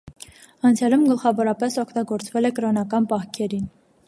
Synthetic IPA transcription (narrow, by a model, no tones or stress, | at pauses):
ɑnt͡sʰjɑlumɡəlχɑvɔɾɑpɛsɔkʰt̪ɑɡɔɾt͡svɛlɛkəɾɔnɑkɑnpɑhkʰɛɾin